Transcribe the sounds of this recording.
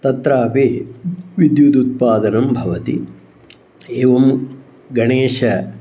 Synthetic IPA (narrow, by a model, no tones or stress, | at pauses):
t̪ɐt̪ɾaːpeːʋid̪jut̪ut̪̚paːd̪ɐnɐmbʱɐʋɐt̪ḭ | eːʋɐm | ɡɐɳeːʂɐ